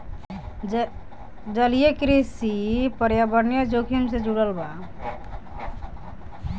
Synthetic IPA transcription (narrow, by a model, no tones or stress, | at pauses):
d͡ʒəlijekɾisipəɾjabəɾnjad͡ʒokʰimsẽd͡ʒuɽəlba